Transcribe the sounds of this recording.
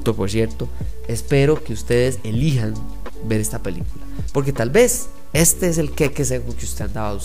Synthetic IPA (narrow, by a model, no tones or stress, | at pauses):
t̪opoɾs̬jeɾt̪o̞ | espe̞ɾo̞ke̞ust̪e̞ðese̞liɦan | beɾe̞st̪ape̞lḭkula | po̞ɾk̬e̞t̪albe̞s | e̞st̪ees̬e̞lkekes̬ekomokeust̪eand̪awaus